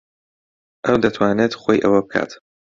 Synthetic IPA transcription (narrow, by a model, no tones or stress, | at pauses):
ʔɐwd̪ɐt̪ʰwaːnet̪χoːjʔɐwɐbɨkʰa̰ːt̪